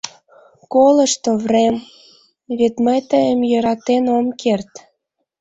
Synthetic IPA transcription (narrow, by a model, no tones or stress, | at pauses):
koləʃt̪ovrem | βet̪məjt̪əjəmjə̆ɾɑt̪enomkert̪